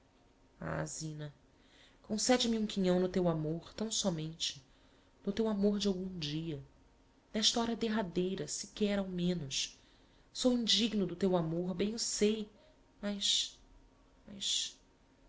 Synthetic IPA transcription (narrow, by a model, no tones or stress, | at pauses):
a̰zĩnɐ | kõsɛd͡ʒɪmiũkiɲɐ̃w̃nʊt̪ewamoɾt̪ɐ̃w̃sɔmẽnt͡ʃɪ̥ | nʊt̪ewamoɾd͡ʒɪawɡũd͡ʒiɐ | nɛʃt̪ɐɔɾɐd̪eɦad̪ejɾɐsɪ̥kɛɾawmẽnʊs | sowĩd͡ʒiɡnʊd̪ʊt̪ewamoɾbẽj̃ʊsej | mɐjʃ | mɐʃ